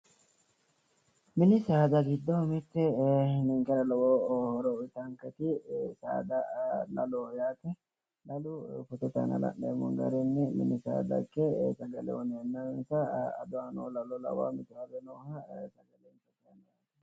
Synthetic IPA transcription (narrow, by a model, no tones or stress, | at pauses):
mɪnɪsaːd̪ɐɡɪd̪ːɔmɪt̪ːɛnɪŋkɛɾɐlɔwohɔɾɔɪt̪ɐŋkɐt̪ɪsa̰ːd̪ɐlɐlojaːt̪ɛ | lɐlʊfʊt̪ɛt̪a̰nɐ̰lɐ̰nːḛːmɔ̰ŋɡɐ̰ɾɛnːɛmɪ̰nɪsa̰ːd̪ɐ̰kːɛsɐɡɐlɛ̰wɔnɛɐnːansɐɐ̰d̪ʊanoːlɐlɔlɐ̰wa̰mɪt̪ɛwɐbɛnoːhɐsɐɡɐlɛnsɐtɐnɛjan